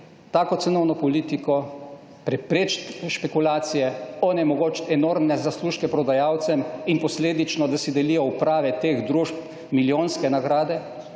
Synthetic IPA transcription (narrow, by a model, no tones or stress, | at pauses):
t̪aːkɔt̪sɛnɔwnɔpɔliːt̪ikɔ | pɾɛpɾeːt͡ʃt̪ʃpɛkulaːt̪sijɛɔnɛmɔɡoːt͡ʃt̪ɛnoːɾmnɛzasluːʃkɛpɾɔd̪ajaːwt̪sɛminpɔsleːd̪it͡ʃnɔd̪asid̪ɛlijɔupɾaːʋɛt̪eːxd̪ɾuʃp | miljoːnskɛnaɡɾaːd̪ɛ